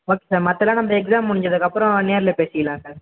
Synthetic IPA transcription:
oːkesaːɾmɐt̪ːɛlãːnɐmbɐɛksaːmʊɽɪɲd͡ʒɐðɯkːɐpːɯɾɔ̃neːɾɪlɐpeːsɪjɐlãːsaːɾ

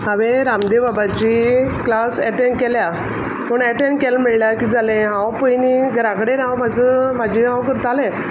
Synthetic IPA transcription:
ɦaʋeɾamd̪ebabat͡ɕiklasɛʈeɳɖkɛlja | pəɳɛʈeɳɖkɛlmiɭljakid͡zalẽɦãwpəjniɡɾakɽeɾãwmad͡zəmad͡ʑʱĩɦãwkəɾt̪alẽ

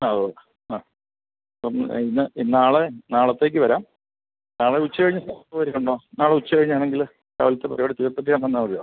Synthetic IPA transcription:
aɐðo | aː | ɐpːominːɨinaːɭenaːɭɐt̪ːe̞ːk̬ʲːɨʋɐɾaːm | naːɭeut͡ɕːɨkɐɻiɲːɐsɐɐʋɐɾikːuɳɖo̞ːnaːɭeut͡ɕːɨkɐɻiɲːaːɳeŋɡil | ta̰ːʋɐlɐt̪ːepɐɾɐjoːɽet̪iɣɐt̪ːɐpːijaːnɐnːamɐɾioː

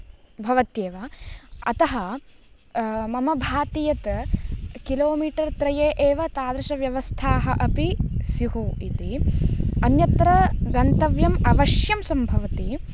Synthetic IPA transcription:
bʱɐʋɐt̪jeːʋɐɐt̪ɐɦɐ | mɐmɐbʱaːt̪ijɐt̪ | kiloːmiːʈɐɾt̪ɾɐjeːʔeːʋɐt̪aːd̪ɾɐʃɐʋjɐʋɐst̪ʰaːɦɐʔɐpisiɦuit̪i | ɐnjɐt̪ɾɐɡɐnt̪ɐʋjɐmɐʋɐʃjɐmsɐmbʱɐʋɐt̪i

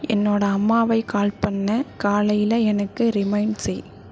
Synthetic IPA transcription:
ɛnːoːɽɐɐmːaːʋɐɪkaːlpɐɳːɐkaːlɐjɪlɐɛnɐkːɯɾɪmɐɪɳɖsɛj

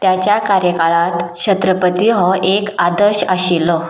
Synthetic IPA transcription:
t̪jat͡ɕjakaɾjəkaɭat̪t͡ɕʰət̪ɾəpət̪iɦɔekad̪əɾɕaɕilːɔ

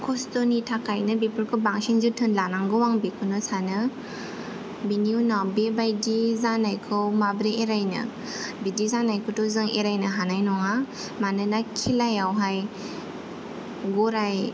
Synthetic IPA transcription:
kʰɔstonitʰakʰajnɯbipɯɾkʰɯbaŋsinzutʰɯnlanaŋɡɯwaŋbikʰɯnɯsanɯ | biniunawbebajdizanajkʰɯwmabɾeeɾajnɯ̰ | bidizanajkʰɯwtozɯŋeɾajnɯɦanajnɔŋa | manɯnakʰilajawɦaj | ɡɔɾaj

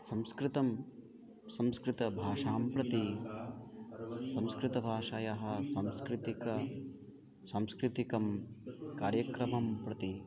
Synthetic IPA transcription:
sɐ̃mskɾɪt̪ɐm | sɐmskɾɪt̪ɐbʱaːʂaːmpɾɐt̪i | sɐmskɾɪt̪ɐbʱaːʂɐjɐɦɐ̆sɐmskɾɪt̪ikɐ | sɐmskɾɪt̪ikɐmkaːɾjɐkɾɐmɐmpɾɐt̪i

